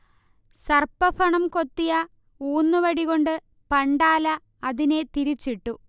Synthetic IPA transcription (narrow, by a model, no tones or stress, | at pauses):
sɐrpːɐfɐɳɐmko̞t̪ːijɐ | uːnːɨʋɐɽiɣo̞ɳɖɨ | pɐɳɖaːlɐ | ɐðine̞t̪iɾit͡ɕːiʈːu